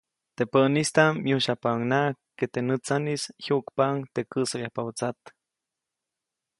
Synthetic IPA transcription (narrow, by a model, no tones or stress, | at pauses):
t̪epəʔnist̪amjuʃapaŋnakːet̪enɨt͡sanishukpaŋt̪ekɨsajahpaut͡sat̪